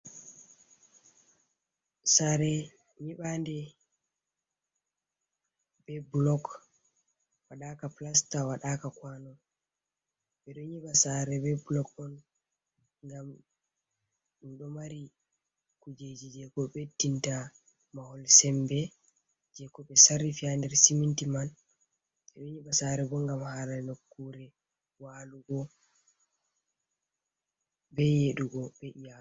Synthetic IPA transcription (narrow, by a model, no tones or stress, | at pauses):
saɾɛ | ɲiɓandɛ | bɛblɔk | waɗakaplastawaɗakakwanɔ | ɓɛɗɔɲiɓasaɾɛbɛblɔkɔn | ŋɡam | ɗɔmaɾi | kud͡ʒed͡ʒid͡ʒɛkɔɓetːinta | mahɔlsɛmbɛ | d͡ʒɛkɔɓɛsarːifiandɛɾsimintiman | ɓɛɗɔɲibasaɾɛbɔŋɡamhaɾanokːuɾɛ | waːluɡɔ | bɛjeɗuɡɔbɛʔija